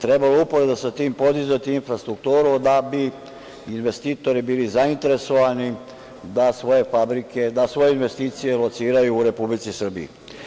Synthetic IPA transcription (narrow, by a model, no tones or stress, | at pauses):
t̪ɾebaloupo̞ɾed̪asat̪iːmpo̞d̪izʋet̪iinfɾast̪ɾuk̚t̪uːɾud̪abi | inʋe̞st̪iːt̪o̞ɾibiːlizaint̪e̞ɾe̞so̞ʋani | d̪asʋo̞je̞fabɾike̞d̪asʋo̞jeinʋe̞st̪iːt̪sije̞lo̞t̪siːɾajuːɾe̞publit̪sisr̩bḭḭ